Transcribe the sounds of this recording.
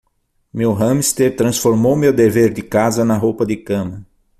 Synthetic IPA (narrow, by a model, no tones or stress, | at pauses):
mewɦɐ̃mist̪eɾt̪ɾɐ̃sfoɾmowmewd̪eveɾd̪ɪkazɐnɐɦowpɐd̪ɪkɐ̃mɐ